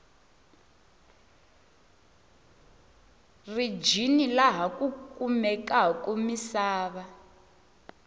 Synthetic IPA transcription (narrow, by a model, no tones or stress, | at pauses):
rid͡ʒinilaɦakukumɛkakʼumisaːβa